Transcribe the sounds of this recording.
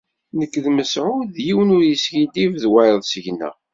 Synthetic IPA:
nəkːðməsʕʊðjiwənʊɾjisçid̪ivðwæjðˤsəʝnæ̰

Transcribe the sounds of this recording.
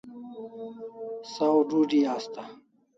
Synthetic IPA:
sawɖuːɖiaːst̪a

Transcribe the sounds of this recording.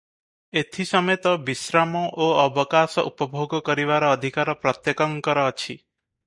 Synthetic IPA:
et̪ʰisɔmet̪ɔbisɾamɔʔoɔbɔkasɔʔupɔbʱoɡɔkɔɾiβaɾɔːd̪ʱikaɾɔpɾɔt̪jekɔŋkɔɾɔːt͡ʃʰi

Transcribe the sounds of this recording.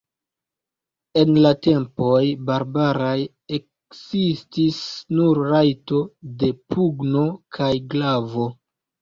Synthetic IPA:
e̞nlate̞mpo̞jbaɾbaɾaj | ek | sistisnuɾːajto̞de̞pʰuɡno̞kʰajɡlavo̞

